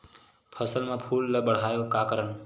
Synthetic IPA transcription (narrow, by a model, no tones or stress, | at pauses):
pʰəsəlmãpʰuːlːəbəɽ̤aːjokakəɾən